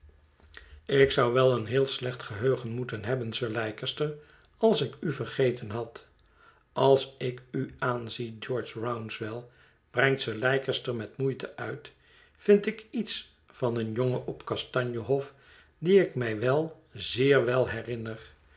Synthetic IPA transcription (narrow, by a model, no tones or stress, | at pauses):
ɪksɑwʋɛlˠənɦɪːlˠslɛχtχəɦøɥχənmutənɦɛbənsəɹlɛjkəstəɹ | ɑlˠsɪkyvəɹχejtənɦɑt | ɑlˠsɪkyaːnzid͡ʒɔɹt͡ʃɹawnsʋɛlˠ | b̥rɛŋtsəɹlɛjkəstəɹmɛtmujtəʔœɥt | fɪntɪkits | fɑnənjoŋəʔɔpkɑstɑɲjəɦɔf | diɪkmɛjʋɛlˠ | zɪːɹʋɛlˠɦɛrɪnər